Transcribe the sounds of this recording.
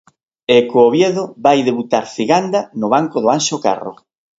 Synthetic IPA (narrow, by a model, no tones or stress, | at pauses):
ɛkoːβjeðʊbajðeβut̪aɾθiɣand̪anʊβaŋkoðʊanʃoka̰ro̰